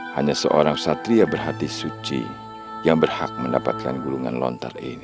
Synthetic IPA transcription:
haɲasəʔoɾaŋsat̪ɾiabərɦat̪isut͡ʃḭ | jaŋbərha̰k̚məndapat̪̚kanɡuluŋa̰nlɔ̰nt̪a̰rḭni

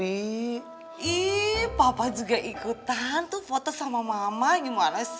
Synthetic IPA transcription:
i | ibapad͡ʒuɡaʔikut̪ant̪ufɔt̪ɔsamamamaŋimanas

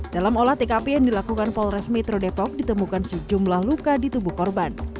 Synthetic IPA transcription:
dalamolaht̪ekapejaŋdilakukanpɔlrɛsmɛt̪ɾodepɔk̚dit̪əmukansəd͡ʒumlahlukadit̪ubuhkɔrban

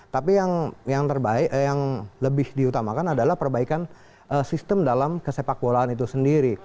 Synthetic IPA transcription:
t̪apijaŋjaŋt̪ərbaɪkjaŋləbɪhdiut̪amakanadalahpərbaikan | ʔəsist̪əmdalamkəsepak̚bolaanit̪usəndiɾi

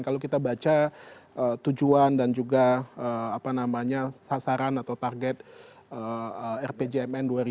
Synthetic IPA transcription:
kalokit̪abat͡ʃaət̪ud͡ʒuandand͡ʒuɡaəapanamaɲasasaɾanat̪awt̪arɡɛt̪̚ | əəɛrped͡ʒeɛmɛnduaɾi

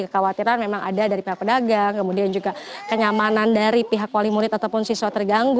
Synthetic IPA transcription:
kəkawat̪iɾanmemaŋʔa̰dadaɾipiɦak̚pədaɡaŋkəmudiand͡ʒuɡakəɲamanandaɾipiɦakwalimuɾɪt̪at̪awpʊnsiswat̪ərɡaŋɡ

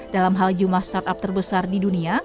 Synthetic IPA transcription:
dalamɦald͡ʒumlahst̪art̪ap̚t̪ərbəsardidunia

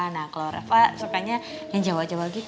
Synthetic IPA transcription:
anakaloɾa̰fasukaɲa | jaŋd͡ʒawaʔd͡ʒawaɡit̪

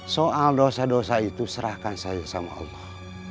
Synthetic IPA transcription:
soaldosadosait̪usəɾahkansajasama̰ɑ̰lːɔh

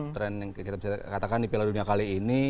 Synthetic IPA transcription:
t̪ɾɛn | kit̪abisakat̪akandipiladuniakaliːni

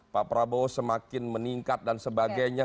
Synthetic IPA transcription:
papəɾabosəmakɪnməniŋkat̪̚dansəbaɡaɲa

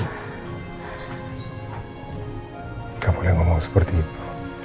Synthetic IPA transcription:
kapolɛŋɔmɔŋsə̥pərt̪iːt̪ʰu̥

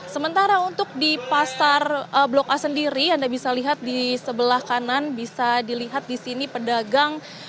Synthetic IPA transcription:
səmənt̪aɾaunt̪ʊk̚dipasarəblokasəndiɾiandabisaliɦat̪̚disəbəlahkananbisadiliɦat̪̚disinipədaɡaŋ

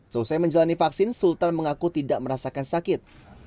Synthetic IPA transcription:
səusajməɲd͡ʒalanifaksɪnsult̪anməŋakut̪idaʔ̚məɾasakansakɪt̪̚

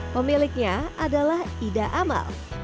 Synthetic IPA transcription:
pəmilɪk̚ɲaadalahidaʔama̰l

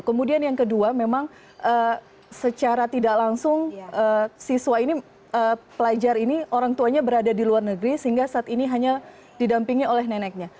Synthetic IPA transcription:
kəmudianjaŋkəduamemaŋ | ʔə | sət͡ʃaɾat̪idaklaŋsʊŋʔəsisuaini | əːpəlad͡ʒarinioɾaŋt̪uaɲabəɾadadiluarnəɡɾisəɦiŋɡasaːt̪iniɦaɲa | didampiŋiolɛɦnenɛk̚ɲa

